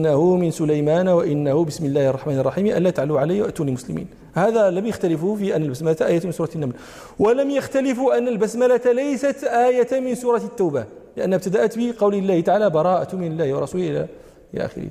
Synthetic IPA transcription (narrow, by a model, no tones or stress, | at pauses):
nːahʊmɪnsʊlajmæːnwaʔɪnːahʊbɪsmɪlːæːhʔɑrˤːɑħmaːnrˤːɑħiːmiʔæ̰lːæt̪aʕaluʕaljːwʔt̪ːuːnilmʊslɪmḭːn | hæðæləmjaxt̪alɪfʊfiʔænːælbæsmælat̪aʔæːjat̪mɪnsuɾɑt̪nːaml | waləmjaxt̪alɪfʊʔænːalbæsmælat̪alejsat̪ʔæːjamɪnsuːɾˤɑt̪ːuwba | lɪʔənːhæb̚t̪ad̪aʔat̪bəqɑwlilːæːht̪aʕaːlæbɑɾˤɑːʔat̪mɪnɪlːæːhwrˤːɑsuːlʔɪlæ̰ | ʔɪlæ̰ʔæ̰xɪ̰ɾḭ